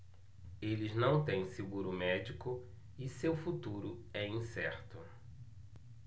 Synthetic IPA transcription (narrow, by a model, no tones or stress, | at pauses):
elɪznɐ̃w̃t̪ẽj̃siɡuɾʊmɛd͡ʒikʊ | ɪsewfut̪uɾʊɛĩsɛɾt̪ʊ